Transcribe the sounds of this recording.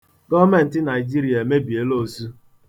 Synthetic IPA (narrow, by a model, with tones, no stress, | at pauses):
ɡɔ˦me˦n̩˨tɪ˦na˨ɪ˨d͡ʒi˦ɾi˨a˨me˦bi˨e˦lo˦˨su˦